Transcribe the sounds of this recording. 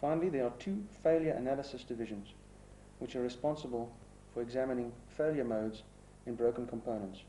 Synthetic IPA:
fãɪ̃nəliðəətʰuːfeɪlˠjəɹʔə̰næləsəsd̥ɪvɪʒə̃nz | wɪt͡ʃəɹɪspɔ̃nsəbəlˠ | fəɹɛɡzæmənɪ̃ŋfeɪljəmoʊdz | ɪ̃nbɹoʊkə̃nkʰə̃mpʰõʊ̃nə̃nts

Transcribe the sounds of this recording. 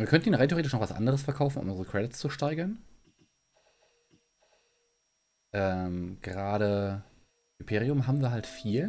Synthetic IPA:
viːɐkʰœntn̩iːnʁaɪtʰeoetɪʃnɔχvasʔa̰ndəʁəsfɛɐkʰaʊfn̩ʊ̰mʊnʁəkʁ̥ɛdɪtst͡suʃtaɪɡɐn | ʔɛːmɡ̥əʁaːɾə | ɪmpʰeːʁiʊmɦaːbm̩viːɐɦaltfiːl

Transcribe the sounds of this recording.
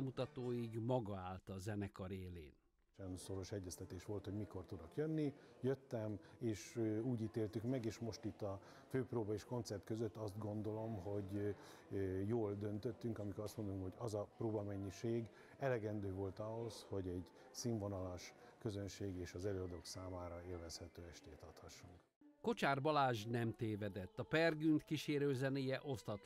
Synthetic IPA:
mut̪ɒt̪oːjiɡmɒɡɒaːlt̪ɒzɛnɛkɒɾeːlḛːn | ɛnso̞ɾo̞ʃɛɟːɛst̪ɛt̪eːʃʋo̞lt̪hoɟmiko̞rt̪ud̪okjønːijøt̪ːɛmeːʃuːɟiːt̪eːlt̪ykmɛɡeːʃmo̞ʃt̪it̪ːɒ | føːproːbɒeʃko̞nt̪sɛrt̪køzøt̪ːɒst̪ɡo̞nd̪o̞lo̞mɦo̞ɟ | joːld̪ø̞nt̪øt̪ːyŋkɒmikoɾɒst̪mo̞nd̪oluŋkoɟɒzɒproːbɒmɛɲːiʃeːɡ | ɛlɛɡɛnd̪øːvo̞lt̪ɒɦo̞sho̞ɟɛɟ | siːɱvonɒlaʃkø̞zø̞nʃeːɡeːʃɒzɛløːɒd̪oːksaːmaːɾɒeːlvɛshɛt̪øːɛʃt̪eːt̪ɒt̪hɒʃːuŋk | ko̞t͡ʃaːrbɒlaːʒnɛmt̪eːvɛd̪ɛt̪ːɒpɛrɡynt̪kiʃeːɾøːzɛneːjɛʔo̞st̪ɒt̪

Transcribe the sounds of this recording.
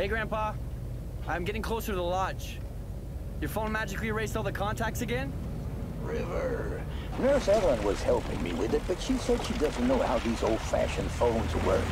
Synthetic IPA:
heɪɡɹæ̃npɑ | ʔãɪ̃mɡɛɾɪ̃ŋkʰl̥oʊsəɾðəlɑd͡ʒ | jə˞foʊ̃nmæd͡ʒɨkliɹeɪstɔlˠðəkʰɑ̃ntʰæk̚tsɨɡɛ̃n | ɹɪvə˞ | nɜ˞sɛɾl̩ˠə̃nwʌz̥hɛlˠpɪ̰̃ŋmḭwɪðɨt̚b̥ʌtʃisɛd̥ʃidʌz̃n̩noʊha̰ʊðizoʊlˠd̥fæ̰ʃɨ̃nfõʊ̃nzwə̰˞

